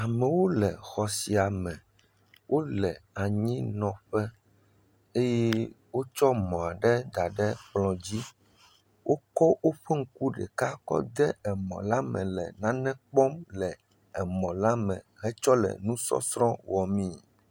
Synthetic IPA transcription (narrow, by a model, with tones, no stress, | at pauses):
a˨mɛ̃˨wo˦lɛ˨xɔ˨si˨a˨mɛ̃˨ | wʔo˦lɛ˨a˨ɲĩ˦nɔ̃˨ɸɛ˦ | e˦jɛ˦ | wo˦t͡ʃɔ˦mɔ̃˨a˨ɖɛ˦d̪a˨ɖɛ˦k͡plɔ̃˨d͡ʑi˦ | wʔo˦kɔ˦wo˦ɸɛ˦ŋ̩˦ku˦ɖɛ̰˨ka˦kɔ̰˦d̪ɛ˦ɛ˨mɔ̰̃˨la˦mɛ̰̃˨lɛ̰˨nã˦nɛ̃˦k͡pɔ˦mlɛ˨ | ɛ˨mɔ̃˨la˦mɛ̰̃˨ɦɛ˦t͡ʃɔ˦lɛ̰˨nũ˦sɔ̰˦sɾɔ̃˦wɔ˨mĩ˦˨